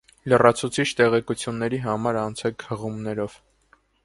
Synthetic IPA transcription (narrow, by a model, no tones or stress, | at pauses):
lərɑt͡sʰut͡sʰit͡ʃʰt̪ɛʁɛkut͡sʰjunːɛɾiɦɑmɑɾɑnt͡sʰɛkhəʁumnɛɾɔv̥